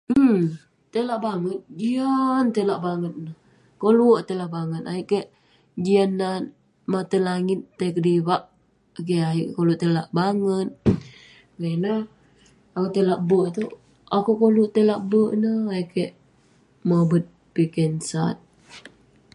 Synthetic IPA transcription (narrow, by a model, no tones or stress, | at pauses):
m̩ | t̪əlaʔbaŋət̪̚d͡ʒiant̪əlaʔbaŋət̪̚nəh | koluʔt̪əlaʔbaŋət̪̚aiʔkəʔ | d͡ʒianːa | mat̪əlaŋɪt̪ːəkədiwaʔ | k̬eaiʔkkoluʔt̪əlaʔbaŋət̪̚ | kana | akut̪əlaʔbəʔt̪u | akukoluʔt̪əlaʔbəʔnəhaiʔkəʔ | mobət̪̚ | pikɛnsat̪̚